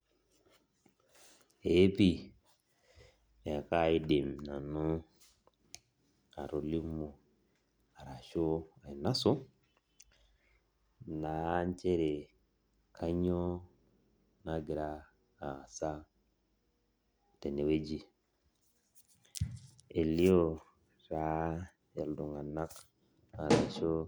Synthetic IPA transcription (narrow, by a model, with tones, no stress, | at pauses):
e˨˦pi˦˨ | a˨ka˦i˦di˨m˨na˨nu˦ | a̰˨ɾo˨li˦mu˨ | a˨ɾa˨ʃo˦a˨i˨na˦su˦ | na˨˦ɲ˦t͡ʃe˦ɾe˨ | kʰa˦ɲo˦ | na˦ɡi˨ɾa˦ | a˨sa˦ | te˨ne˨we˦d͡ʒi˨ | e˨li˦o˦ | ɾa˦ | ja˨ldu˨ŋa˨na˦k | a˨ɾa˨ʃo˦